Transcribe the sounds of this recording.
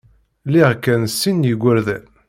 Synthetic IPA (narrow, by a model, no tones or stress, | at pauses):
liʁkːænsːinjəɡʷːəɾðæn